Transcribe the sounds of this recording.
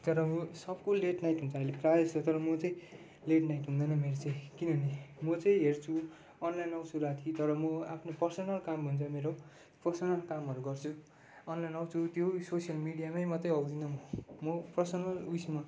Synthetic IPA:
t̪ʌɾʌmʌsʌbkoleʈnajʈɦũnt͡sʰʌʌjleprajʌst͡sʰʌt̪ʌɾʌmʌt͡sʌĩ | leʈnajʈɦũnd̪ʌjnʌmeɾot͡sʌ̃ĩkinʌnimʌt͡sʌĩɦert͡sʰu | ʌnlajnawt͡sʰuɾat̪ʰit̪ʌɾʌmʌapʰnopʌrsʌnʌlkambʱʌnt͡sʰʌmeɾo | pʌrsʌnʌlkamʌɾuɡʌrt͡sʰu | ʌnlajnawt͡sʰut̪jososijʌlmiɽijamajmʌt̪rʌjʌwd̪inʌmʌmʌpʌsʌnʌlujsma

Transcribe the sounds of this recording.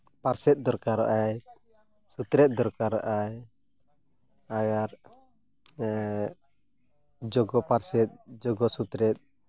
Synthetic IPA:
paɾsɛt̪̚d̪ɔɾkaɾa̰ʔaj | sut̪ɾɛt̪̚d̪ɔɾkaɾa̰ʔaj | aɡaɾ | d͡ʒɔɡɔpaɾsɛt̪̚d͡ʒɔɡɔsut̪ɾɛt̪̚

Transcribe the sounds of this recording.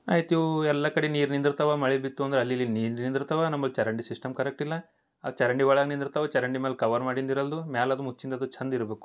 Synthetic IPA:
aːjit̪juɛlːɐkɐɽeniːɾnind̪ɾut̪ɐʋamɐɭibit̪ːuɐnd̪ɐɾeɐlːilːiniːɾnind̪ɾt̪ɐʋanɐmːɐlt͡ʃɐɾɐɳɖisisʈɐmkɐɾek̚ʈilːɐ | ɐt͡ʃɐɾɐɳɖiʋɐɭaːɡnind̪ɾt̪ɐʋɐt͡ʃɐɾɐɳɖimeːlkɐʋɐɾmaːɽind̪iɾɐld̪umaːlɐd̪umut͡ʃːind̪ɐd̪ut͡ʃʰɐnd̪iɾɐbeːku̥

